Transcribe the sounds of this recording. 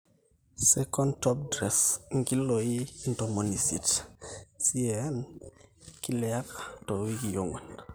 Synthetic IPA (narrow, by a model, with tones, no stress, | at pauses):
sɛkɔntɔp̚dɾɛ˨sŋɡi˦loi˦ndɔ˨mɔ˨ni˨sḭ˨t | si˦ɛn | ki˦lɛ˨a˦kḁ˨tɔ˨wi˦ki˨jo˦ŋɔ̰˨n